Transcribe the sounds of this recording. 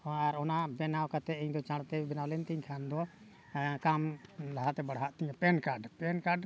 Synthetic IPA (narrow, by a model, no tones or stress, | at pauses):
aɾɔnabɛnawkat̪ɛɛɲd̪ɔt͡ʃãɽt̪ɛbɛnawlɛnt̪iɲkʰand̪ɔ | kamlaɦat̪ɛbaɽ̤ɦaʔt̪iɲãpɛnkaɾɖpɛnkaɾɖ